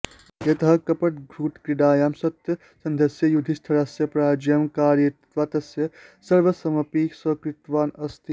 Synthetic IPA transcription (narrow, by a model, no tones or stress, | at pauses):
jɐt̪ɐɦɐkɐpɐʈɡʱɾuːʈkɾiɖaːjaːmsɐt̪jɐ | sɐnd̪ʱɐsjɐjud̪ʱist̪ʰɐɾasjɐpɾaːd͡ʒɐmkaːɾjɐtʋaːt̪ɐsjɐsɐɾʋɐsɐmɐpiːksɐkɾit̪ʋaːnɐst̪ʰi